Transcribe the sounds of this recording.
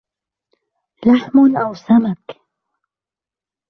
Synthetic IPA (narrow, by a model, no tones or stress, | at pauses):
laħmʊnʔawsamak